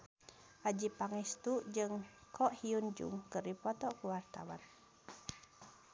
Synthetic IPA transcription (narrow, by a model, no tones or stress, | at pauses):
ad͡ʒipaŋɛst̪uʔd͡ʒɨŋkʰɔʔhiund͡ʒṵŋkəripɔt̪ɔʔkuwart̪a̰wa̰n